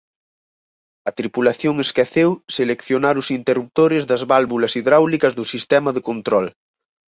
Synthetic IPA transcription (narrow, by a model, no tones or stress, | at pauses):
ɐt̪ɾipulaθjoŋeskɛθewselekθjonaɾʊsint̪erup̚t̪oɾɪzðɐzβalβulɐsiðɾawlikɐzðʊsist̪ɛmɐðekont̪ɾɔl